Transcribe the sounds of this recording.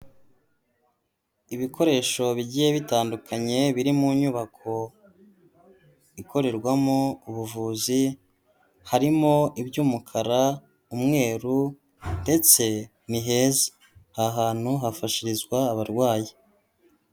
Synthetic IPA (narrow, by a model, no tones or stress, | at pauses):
iβikʰo̞ɾe̞ːʃo̞βiɟijeβitaːndukʰaɲe̞βiɾimuɲuβakʰo̞ | ikʰo̞ɾe̞ɾɡwamouβuvuːzi | haɾimo̞ʔibɟuːmukʰaɾa | umŋe̞ːɾu | nde̞t͡se̞ | niɦe̞ze̥ | haɦaːn̥huɦafaʃiɾizɡwaːβaɾɡwaːji